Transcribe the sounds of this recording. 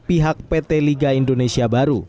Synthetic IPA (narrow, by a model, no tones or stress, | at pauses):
piɦak̚pet̪eliɡaindonesiabaɾu